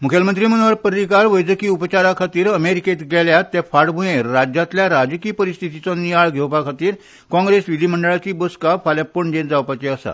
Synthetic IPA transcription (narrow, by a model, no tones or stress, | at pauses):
mukʰjəlmənt̪ɾiːm̤ənʋəɾpəɾikaɾʋəjd͡zəkiːupt͡ɕaɾakʰat̪iːɾəmeɾiket̪ɡɛljat̪ːjafaɽbʱujẽɾad͡ʑat̪ljaɾad͡ʑkiːpəɾist̪ʰit̪it͡sɔnijaɭɡʱewpakʰat̪iːɾ | kɔ̃ŋɡɾesʋid̪im̤əɳɖəɭat͡ɕiːboskafaljapəɳd͡ʑẽd͡zawpat͡ɕeəsa̰